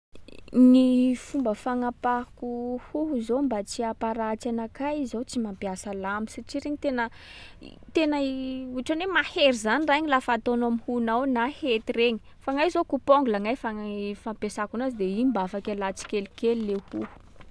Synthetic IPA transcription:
nifumbəfaŋapakuhuɦuzombat͡siapaɾat͡ʃanakaizawt͡simampiasəlamisaʈ͡ʂiɾeɲit̪enə | t̪enauʈ͡ʂanemaheɾizaniraaɲilafat̪onamhunawnahet̪ireɲi̥ | faŋajzokupɔŋɡulaŋajfaŋafampesakunazid̪eimbafakalat͡si̥kelikelilehuhu̥

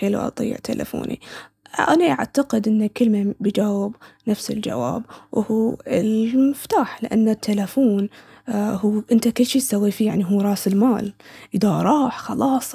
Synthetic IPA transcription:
xeːlṵʔɑ̰t̪ˤḭːɪ̰ʕt̪ʰa̰lʔa̰fo̰ːnʔḭ | ʔa̰naʔa̰ʕt̪aqɪd̪ʔɪnːakɪlmabɪd͡ʒaːwɪbnafsɪ̰ld͡ʒa̰wa̰ːbwʔhuːɪlmʊft̪aːħlɪʔanːat̪ʰːelafuːn | huːʔɪnt̪akɪlːʃiːt̪sawːifijaʕniɦuːɾˤɑːsɪlmaːlʔɪðaɾˤɑːħxɑlɑːsˤ

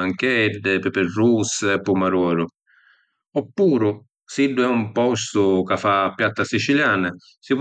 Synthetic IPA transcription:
aŋkɛɖːɪpɪpɪrːuspumaɾɔːɾʊ | ɔpːuːɾʊ | siɖːʊɛumpɔst̪ʊkafaːpːjat̪ːasit͡ʃiljaːna | siv

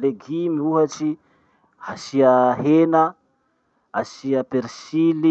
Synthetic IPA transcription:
leɡimiuɦat͡ʃi | asiaɦena | asiəpeɾsili

